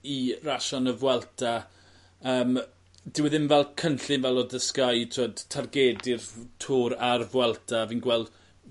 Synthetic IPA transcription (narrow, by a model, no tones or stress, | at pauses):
iraʃɔnəvwɛlˠtʰa | əːm | d̥ɪwɛðɪnvɛlˠkʰənɬɨnvɛlˠɔdəskajtʰoːd̥tʰarɡɛːdɪrtʰuːɾaɾvwɛlˠtʰaviːnɡwɛlˠd̥